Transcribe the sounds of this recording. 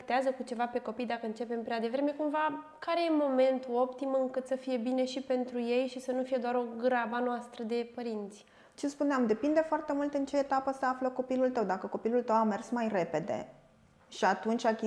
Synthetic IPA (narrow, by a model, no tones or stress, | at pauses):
kt̪eazəkut͡ʃe̞vape̞ko̞pijd̪akəɨnt͡ʃe̞pe̞mpɾead̪e̞vɾe̞me̞kumva | kaɾe̞je̞mo̞me̞nt̪uo̞pt̪imɨŋkɨt̪səfije̞bine̞ʃipe̞nt̪ɾuje̞jʃisənufije̞d̪oaɾo̞ɡɾabanoast̪ɾəd̪e̞pəɾint̪sʲ | t͡ʃespuneamd̪e̞pind̪e̞foart̪e̞mult̪ɨnt͡ʃe̞ːt̪apəseafləko̞pilult̪əwd̪akəko̞pilult̪əwame̞rsmajre̞pe̞d̪ḛ | ʃiat̪unt͡ʃʲakʲi